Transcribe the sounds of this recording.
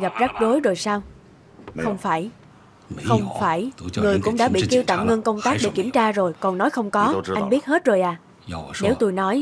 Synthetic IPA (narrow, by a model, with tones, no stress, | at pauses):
ɣa˨˩p̚za˦˥k̚ɗo˨˦jzo˨˩jsaː˧w | xə˧wŋ͡mfaː˧˩j | xə˧wŋ͡mfaː˧˩jŋɨ˨˩əjkʊ̰˧˥ŋ͡mɗa̰ː˧˥ɓḭ˧˨ki˧wt̪a̰ː˧˨mŋə˧nkə˧wŋ͡mt̪aː˦˥k̚ɗḛ˧˩ki˧˩əmt͡ɕaː˧zo˨˩jkɔ˨˩nːɔ˨˦jxə˧wŋ͡mkɔ˨˦a˧ŋ̟ɓi˦˥ət̚he˦˥t̚zo˨˩jʔaː˨˩ | ne˨˦wt̪o˧jnɔ˨˦j